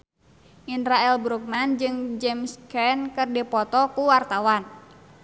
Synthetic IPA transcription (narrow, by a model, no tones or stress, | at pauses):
ʔinɾaɛlbɾuk̚mand͡ʒɨŋd͡ʒɛmskɛnkɨrdɛpɔt̪ɔkuwart̪awan